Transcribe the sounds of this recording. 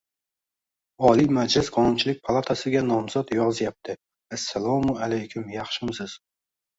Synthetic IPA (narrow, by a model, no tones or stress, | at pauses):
ɒlimad͡ʒlɪsqʰɒnʊnt͡ʃʰɪlɪk̚ʲpʰalˠat̪ʰasɪɡʲanɒmzɒt̪jɒʁzɪjap̚t̪ʰɪ | asːalˠɒmʊalajkʲʰʊmjɑχʃɪmsɪz̥